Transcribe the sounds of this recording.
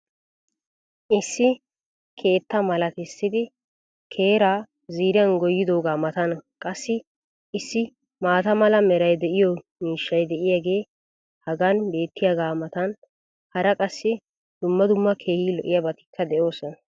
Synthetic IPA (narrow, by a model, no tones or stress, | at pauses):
ʔɪsːɪ | kʰe̞ːt̪ːɐmɐlɐt̪ɪsːɪd̪ɪ | kʰeːɾaː | ziːɾɪɐnɡɔjːɪd̪o̞ːɡaːmɐt̪ɐnkʼɐsːɪ | ʔɪsːɪ | maːt̪ɐmɐlɐmɛɾɐjd̪ɛʔɪjɔmiːʃːɐjd̪ɛʔɪjaːɡe̞ː | hɐɡanbe̞ːt̪ːɪjaɡaːmɐt̪ɐn | hɐɾɐkʼɐsːɪ | d̪̥ʊmːɐd̪ʊmːɐkʰe̞ːhiːlɔʔɪjɐbɐt̪ɪ̥kʰːɐd̪ɛʔo̞ːsɔnɐ